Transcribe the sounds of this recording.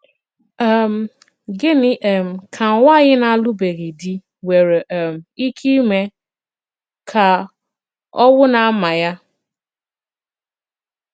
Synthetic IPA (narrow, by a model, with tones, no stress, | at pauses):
ɛ˨m̩˨ | ɡɪ˦nɪ˨ʔm̩˨kʰa˨wʷa˦˨ɣɪ˦na˨lu˦be˨ɣi˨di˦ | we˨ɾe˨ʔm̩˨i˦kʰi˦me˦ | kʰa˨ | ɔ˦wʊ˦na˨˦ma˨ja˦